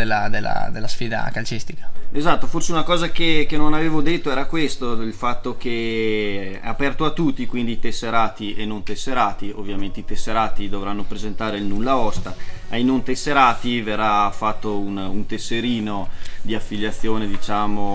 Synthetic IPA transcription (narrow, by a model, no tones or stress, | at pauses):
elːad̪elːa̰d̪elːasfiːd̪a̰kalt͡ʃist̪ikḁezat̪ːoforseunakɔːzakekenonaveːvod̪et̪ːoɛːɾakwest̪oilfat̪ːok̟e | ɛ̰apɛrt̪oat̪ːut̪ːikwind̪it̪esːeɾaːt̪ienont̪esːeɾaːt̪iovːjament̪eit̪esːeɾaːt̪id̪ovɾanːopɾezent̪aːɾeilnulːaɔst̪aajnont̪esːeɾaːt̪iverːafːat̪ːoununt̪esːeɾiːnod̪iafːiʎːat̪sːjoːned̪it͡ʃaːmo